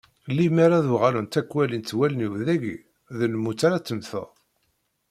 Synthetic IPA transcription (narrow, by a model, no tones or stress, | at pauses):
limæɾaðuʁalənt̪ækːwælint̪ːwæləniwðæʝḭ | ðəlmːut͡sːaɾat͡sːəmθə̰